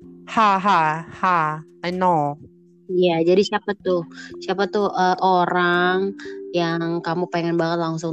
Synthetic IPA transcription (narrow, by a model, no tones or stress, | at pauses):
haɦahajno | ijad͡ʒadisiapat̪ʊhsiapat̪ʊəʔoɾaŋjaŋkamupeŋɛnbaŋət̪̚laŋsʊŋ